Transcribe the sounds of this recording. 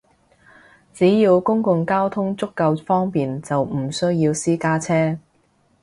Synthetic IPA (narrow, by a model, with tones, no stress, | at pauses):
t͡siː˨˥jiː˧wkʊ˥ŋkʊ˧ŋkaː˥wt̪ʰʊ˥ŋt͡sʊ˥kːɐ˧wfɔː˥ŋpiː˨nt͡sɐ˨wm̩˨˩sɵ˥ɥjiː˧wsiː˥kaː˥t͡sʰɛː˥